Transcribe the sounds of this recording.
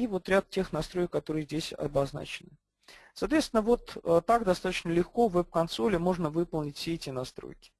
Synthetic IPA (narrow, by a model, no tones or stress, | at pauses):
ivo̞t̪ɾʲat̪̚tʲe̞xnɐst̪ɾo̞jɪkkːɐt̪o̞ɾɨjəzʲdʲesʲɐ̰bɐzna̰t͡ɕɪnɨ | sɐːt̪vʲet̪st̪ʲɪnːəvo̞t̪ət̪akd̪ɐst̪at̪ət͡ɕnəlʲɪxko̞vɛp̚kɐnt̪solʲɪmo̞ʐnəvɨpəlˠnʲɪtʲfʲsʲeɛtʲɪnɐst̪ɾo̰jkʲɪ̥